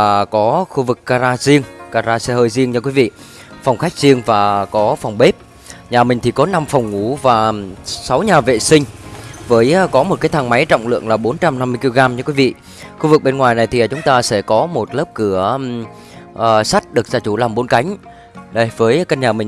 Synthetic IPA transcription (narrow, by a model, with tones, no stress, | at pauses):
kɔ˨˦xu˧vɨ˨˩kːaː˧zaː˧zi˧əŋkaː˧zaː˧sɛ˧həː˧jzi˧əŋt͡ɕɨ˧kwi˨˦vḭ˧˨ | fa˨˩wŋ͡mxa˦˥jk̟̚zi˧əŋvaː˨˩kɔ˨˦fa˨˩wŋ͡mɓe˦˥p̚ | ɲaː˨˩mï˨˩ŋ̟t̪ʰi˨˩kɔ˨˦na˧mfɔ˨˩wŋ͡mŋu˧˩vaː˨˩sa˨˦wɲaː˨˩vḛ˧˨sï˧ŋ̟vəː˨˦jkɔ˨˦mo˨˩t̚kaː˨˦jt̪ʰa˧ŋma˨˦jt͡ɕɔ̰˧˨wŋ͡mlɨ̰˧˨əŋlaː˨˩ɓo˨˦nt͡ɕa˧mna˧mːɨ˧əki˧lo˧ɣaː˧mt͡ɕɨ˧kwi˨˦vḭ˧˨ | xu˧vɨ˨˩k̚ɓe˧nŋwaː˨˩jna˨˩jt̪ʰi˨˩˨t͡ɕʊ˨˦ŋ͡mt̪aː˧sɛ̰˧˩kɔ˨˦mo˨˩t̚ləː˦˥p̚kɨ˧˩ə | ʔəː˨˩sa˦˥t̚ɗɨ˨˩ək̚zaː˧t͡ɕu˧˩laː˨˩mɓo˨˦nka˨˦jŋ̟ | ɗə˧˩jvəː˨˦jka˧ɲaː˨˩mï˨˩ŋ